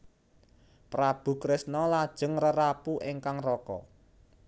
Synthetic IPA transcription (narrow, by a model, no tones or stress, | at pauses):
prab̥ṳkɾɪsnɔlad̥ʒ̥ə̤ŋrəɾapuʔeŋkaŋrɔkɔ̰